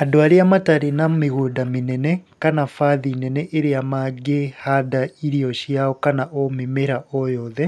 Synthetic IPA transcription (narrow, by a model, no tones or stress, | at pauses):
adoaɾiamataɾenamiɣudaminɛnɛkanafaðinɛnɛʔeɾeamaɡehadaiɾiɔʃiaɔkanaʔomemeɾaɔjɔːðɛ